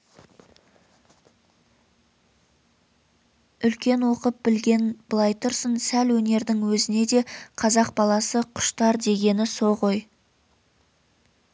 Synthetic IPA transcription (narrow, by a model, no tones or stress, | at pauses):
ʏlkʲe̞nwo̞qəp̚bɪlɡʲe̞nb̥lˠɑjt̪ʊɾsənsælwɵne̞ɾd̪ɪŋwɵzɪne̞d̪e̞qʰɑzɑq̚bɑlˠɑsəqʰʊ̥ʃt̪ɑɾd̪e̞ɡʲe̞nɪso̞ʁoj